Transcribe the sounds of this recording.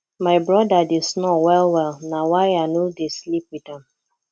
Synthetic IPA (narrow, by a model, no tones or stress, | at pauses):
maɪbɹɔdadesnɔwɛlwɛlnawaɪanodeslip̚widãm